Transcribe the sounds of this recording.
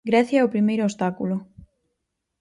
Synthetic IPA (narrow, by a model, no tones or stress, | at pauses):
ɡɾɛθjaopɾimejɾʊost̪akulʊ